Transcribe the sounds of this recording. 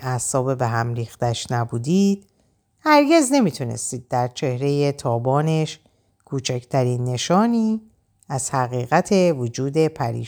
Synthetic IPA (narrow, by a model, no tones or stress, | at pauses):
æsɒːbebeɦæmɾiːxt̪æʃnæbuːd̪id̪̥ | hæɾɟe̞zne̞miːt̪ʰunḛst̪iːd̪̚ːæɾt͡ʃʰe̞hɾe̞je̞t̪ʰɒːbɒːne̞ʃ | kʰuːt͡ʃʰæcʰt̪ʰæɾiːnːe̞ʃɒːniː | æz̥hæɣiːɣæt̪ʰe̞vod͡ʒuːd̪e̞pʰæɾḭː